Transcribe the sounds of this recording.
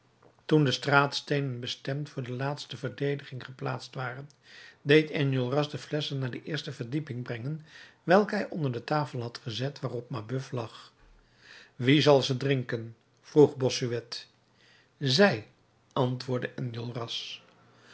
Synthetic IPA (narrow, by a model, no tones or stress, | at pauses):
tundəstraːtstejnənbəstɛmtfʊːɹdəlaːtstəvəɹdejdəχɪŋχəpla̰ːtstʋaːrən | dejtɛnjolˠrɑsdəflɛsənːaːɹdəʔɪːɹstəvəɹdipɪŋbrɛŋənʋɛlˠkəɦɛjʔɔndəɹdətaːfəlˠɦɑtχəzɛtʋaːrɔp̚mabɵflɑχ | ʋizɑlˠzədrɪŋkən | v̥ruχbɔsyʋɛt | zɛj | ɑntʋʊːɹdəʔɛnjolˠrɑs